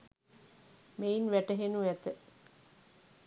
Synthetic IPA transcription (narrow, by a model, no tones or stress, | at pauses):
meinʋæʈəɦenuʋæt̪ə